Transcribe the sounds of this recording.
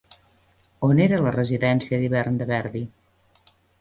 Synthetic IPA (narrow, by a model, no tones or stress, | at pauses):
oneɾələrəziðɛnsiəðiβɛrnd̪əβɛɾði